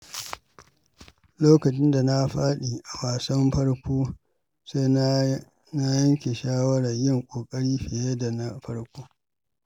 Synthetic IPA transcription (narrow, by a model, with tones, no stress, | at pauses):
loː˦kɐ˨t͡ʃɪ˦nda˨na˦ɸaː˦ɗiː˨ʔa˨waː˨sɐ˦mɸɐ˦ɽkʷoː˦ | seː˦ | na˦jɐ˦ŋkʲe˨ʃaː˦wɐ˦ɽɐ˨ɲjɪ˦˨ŋkʷʼoː˨kʼɐ˦ɽiː˦ɸɪ˨je˦da˨na˦ɸɐ˦ɽkʷoː˦